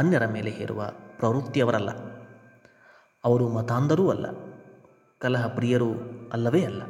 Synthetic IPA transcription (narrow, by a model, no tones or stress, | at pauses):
ɐnjɐɾɐme̞ːleɦeːɾṵʋɐ̰pɾɐʋɾut̪ːjɐʋɐɾɐlːɐ̰ | ɐʋɐɾumɐt̪aːnd̪ɐɾuːɐlːɐ̰ | kɐlɐɦɐpɾiːjɐɾuɐlːɐʋeːɐlːɐ